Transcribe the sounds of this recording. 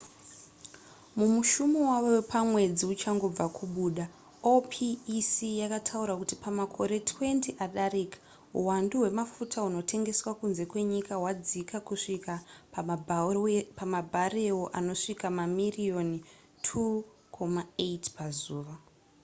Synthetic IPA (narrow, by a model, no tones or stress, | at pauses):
mumuʃumowaʋowepamwe̞d͡ziut͡ʃaŋɡo̞b͡vakʰuɓuːɗa | opʰiːsijakatʰauɾakutipamakʰo̞ɾe̞tʰwe̞ntiʔaɗaɾikḁ | ṵwanduɦwe̞mafutʰauno̞te̞ŋɡe̞swakunze̞kwe̞ɲikawad͡zikakuʂikap | pamabʱarewoʔano̞ʂikamamirio̞n | tʰu | kʰo̞maeitpazuːʋa